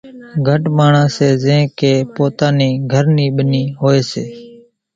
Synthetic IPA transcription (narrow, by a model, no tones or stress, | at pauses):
ɡʱəʈmaːɳãːseːzẽːkeːpoːt̪ãːniːɡʱəɾniːɓəniːɦoːeːseː